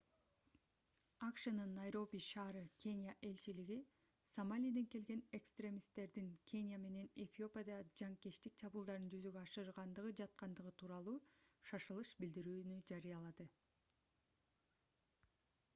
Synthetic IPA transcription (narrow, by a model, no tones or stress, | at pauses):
ɑkʃɯnɯnːajɾo̞bʲiʃɑːɾɯkʲʰe̞nʲjaʔe̞lt͡ʃiliɡi | somalʲijd̪eŋke̞lɡe̞ne̞kst̪rʲe̞mʲist̪ːe̞ɾd̪iŋkʰʲe̞nʲjame̞ne̞nefʲio̞pʲjad̪ɑd͡ʒɑŋkeʃt̪ik̚t͡ʃʰɑbulˠd̪ɑɾɯnd͡ʒyzyɡøɑʃɯɾʁɑnd̪ɯʁɯd͡ʒɑt̪̚qɑnd̪ɯʁɯt̪ʰuːɾɑlˠuːʃɑʃɯlˠɯʃbild̪iɾyːnyd͡ʒɑɾɯjɑlˠɑd̪ɯ